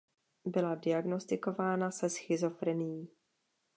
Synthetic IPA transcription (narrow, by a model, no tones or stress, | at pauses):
bɪladɪaɡno̞st̪ɪko̞vaːnasɛsxɪzo̞fɾɛnɪjiː